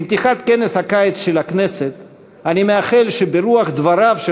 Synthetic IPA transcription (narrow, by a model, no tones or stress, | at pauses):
mt̪iχat̪ke̞neshakajet͡sʃelakne̞set̪ | animeaχelʃebeɾuaχd̪vaɾavʃe